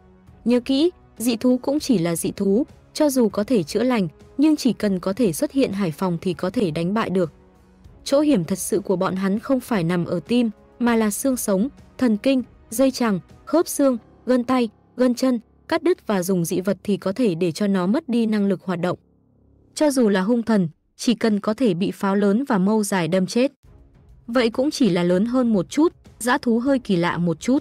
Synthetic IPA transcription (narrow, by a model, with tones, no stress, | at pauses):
ɲə̰˧˦kḭ˧˥ | zḭ˧˨t̪ʰu˨˦kʊ̰˧˥ŋ͡mt͡ɕi˧˩laː˨˩zḭ˧˨t̪ʰu˨˦ | t͡ɕɔ˧zu˨˩kɔ˨˦t̪ʰe˧˩t͡ɕɨ̰˧˥əla˨˩jŋ̟ɲɨ˧ŋt͡ɕi˧˩kə˨˩nkɔ˨˦t̪ʰe˧˩swə˦˥t̚hḭ˧˨ənɦaː˧˩jfa˨˩wŋ͡mt̪ʰi˨˩kɔ˨˦t̪ʰe˧˩ɗa˨˦jŋ̟ɓa̰ː˧˨jɗɨ˨˩ək̚ | t͡ɕo̰˧˥hi˧˩əmt̪ʰə˨˩t̚sɨ̰˧˨ku˧˩əɓɔ̰˧˨nɦa˨˦nxə˧wŋ͡mfaː˧˩jna˨˩mʔəː˧˩t̪i˧mː | aː˨˩laː˨˩sɨ˧əŋsə˨˦wŋ͡mt̪ʰə˨˩nki˧ŋ̟ | zə˧jt͡ɕa˨˩ŋxo˦˥p̚sɨ˧əŋ | ɣə˧nt̪a˧j | ɣə˧nt͡ɕə˧n | kaː˦˥k̚ɗɨ˦˥k̚vaː˨˩zʊ˨˩ŋ͡mzḭ˧˨və˨˩t̚t̪ʰi˨˩kɔ˨˦t̪ʰe˧˩ɗe˧˩t͡ɕɔ˧nɔ˨˦mə˦˥t̚ɗi˧na˧ŋlɨ˨˩k̚hwaː˨˩t̚ɗə̰˧˨ŋ͡m | t͡ɕɔ˧zu˨˩laː˨˩ɦʊ˧ŋ͡mt̪ʰə˨˩n | t͡ɕi˧˩kə˨˩nkɔ˨˦t̪ʰe˧˩ɓḭ˧˨faː˨˦wləː˨˦nvaː˨˩mə˧wzaː˨˩jɗə˧mt͡ɕe˦˥t̚ | və̰˧˨jkʊ̰˧˥ŋ͡mt͡ɕi˧˩laː˨˩ləː˨˦nɦəː˧nmo˨˩t̚t͡ɕu˦˥t̚za̰ː˧˥t̪ʰu˨˦ɦəː˧jki˧˩la̰ː˧˨mo˨˩t̚t͡ɕu˦˥t̚